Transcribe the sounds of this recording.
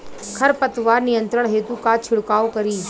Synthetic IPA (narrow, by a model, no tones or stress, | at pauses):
kʰɐɾpət̪ʋaːɾnijə̃nt̪ɾəɳ̃ɦeːt̪ũkat͡ʃʰɪɽkaːokɐɾiː